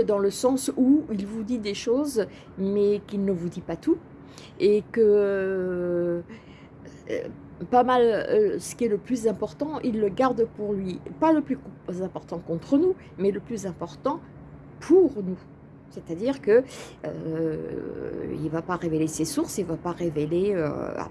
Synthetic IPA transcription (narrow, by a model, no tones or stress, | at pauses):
d̪ɑ̃ləsɑ̃suilvud̪id̪eʃoz | mɛkilnəvud̪ipat̪u | ekə | pamalsə̥kʲiɛləplyzɛ̃pɔʁt̪ɑ̃ʔilːəɡaʁd̪puʁlɥipaləplykzɛ̃pɔʁt̪ɑ̃kɔ̃t̪χənu | mɛləplyzɛ̃pɔʁt̪ɑ̃ | pʰuʁnu | set̪ad̪iʁkəø̰ | ḭlvapaʁevelesesuʁsilvapaʁeveleø̰a̰